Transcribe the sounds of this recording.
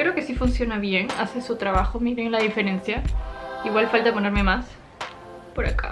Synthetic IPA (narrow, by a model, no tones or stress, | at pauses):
eɾeoke̞sifunsjo̞naβje̞ŋa̰sesut̪ɾaβaxomiɾe̞ŋlaðife̞ɾe̞nsjaiɣwalfalt̪apo̞ne̞ɾme̞mas | po̞ɾaka̰